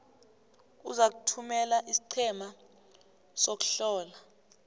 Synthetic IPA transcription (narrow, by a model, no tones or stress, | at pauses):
uzak̬utʰumɛlaʔisi̥ǀʰɛma | sok̬u̥ɬɔːla